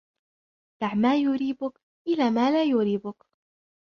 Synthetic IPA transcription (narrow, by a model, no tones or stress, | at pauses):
d̪aʕmaːjʊɾiːbʊk | ʔɪlaːmaːlaːjʊɾiːbʊk